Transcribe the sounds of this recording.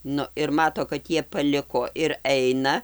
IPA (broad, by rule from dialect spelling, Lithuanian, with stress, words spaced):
ˈnʊ ɪr ˈmɑːtoː kɐt ˈjiɛ pɐˈlʲɪkoː ɪr ˈɛɪnɐ